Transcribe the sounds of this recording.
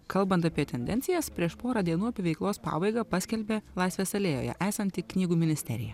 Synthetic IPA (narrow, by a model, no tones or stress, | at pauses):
kɐlˠbɐnt̪ɐpʲiɛt̪ʲɛnʲd̪ʲɛ̰nʲtsʲɪjɛspʲɾʲiɛʃpoːɾɑːd̪ʲiɛnuːɐpʲiɛʋʲɛɪklˠoːspɑ̰ːbɐɪɡɑːpɑsʲkʲɛlʲbʲeːlˠɐɪsʲʋʲeːsɐlʲeːjo̰ːjɛ̰ʔæːsɐnt̪ʲɪknʲiːɡuːmʲɪnʲɪsʲt̪ʲɛ̰ɾʲɪ̰jɛ̰